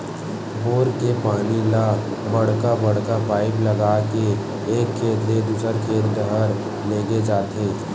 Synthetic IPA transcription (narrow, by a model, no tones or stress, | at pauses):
boːɾkepaːnila | bɐɽ̤kabɐɽ̤kapaːɪplɐɡaːke | eːkʰːeːt̪led̪uːsəɾkʰeːɾd̪əɦəɾ | leːɡed͡ʒaːt̪eː